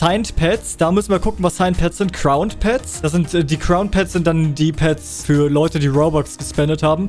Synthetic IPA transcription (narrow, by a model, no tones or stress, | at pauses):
saɪntpʰɛtsd̥aːmʏsn̩viːɐkʰʊkŋ̩vasaɪnt̚pʰɛtsz̥ɪntkʰʁ̥aʊntpʰɛtsd̥as̬z̥ɪntʔɛdiːkʁ̥aʊnpʰɛtsz̥ɪnt̚d̥andiːpʰɛts | fyːɐlɔʏtədiːʁoʊbɔksɡ̥əspɛndəthaːbm̩